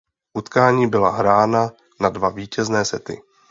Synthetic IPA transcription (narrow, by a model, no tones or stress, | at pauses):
ʔut̪kaːɲiːbɪlaɦɾaːna | nadvaviːcɛznɛːsɛt̪ɪ̰